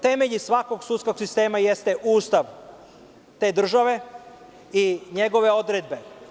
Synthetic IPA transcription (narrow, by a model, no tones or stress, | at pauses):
t̪e̞me̞ʎisʋako̞ɡsut̪ko̞ɡsist̪e̞ːmajest̪eʔuːst̪aʋ | t̪e̞ːd̪r̩ʒaʋe̞ | iɲe̞ɡo̞ʋe̞o̞d̪ɾed̪̚be̞